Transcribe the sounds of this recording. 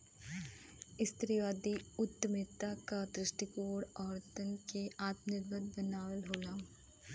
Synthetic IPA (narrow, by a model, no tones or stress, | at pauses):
ɪst̪ɾiʋaːd̪iʊt̪ːəmɪt̪akad̪ɾɪʃʈikoːɽɔːɾt̪ənkeaːt̪mnɪɾbəd̪̚bənaːʋəlɦoːlaː